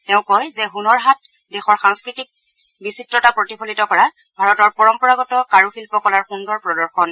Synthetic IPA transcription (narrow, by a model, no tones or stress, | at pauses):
teʊ̃kɔjzɛɦunɔɹɦat | dexɔɹxaŋskɹitik̚ | bisitɹɔtapɹotipʰolitɔkɔɹa | bʱaɹɔtɔɹpɔɹɔmpɔɹaɡɔtɔkaɹuxilpɔkɔlaɹxundɔɹpɹɔdɔɹxɔn